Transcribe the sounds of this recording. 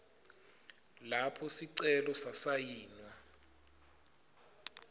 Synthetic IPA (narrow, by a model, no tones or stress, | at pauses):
lapʰɔsiǀɛlɔsasajiːna